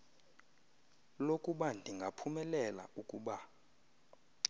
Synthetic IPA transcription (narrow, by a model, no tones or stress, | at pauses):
lokʼuɓandʱiŋɡʱapʰumɛlɛla̰ukʼuɓa